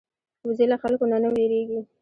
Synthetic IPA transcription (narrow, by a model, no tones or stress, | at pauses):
wzilaxalkonanəweɾeɡi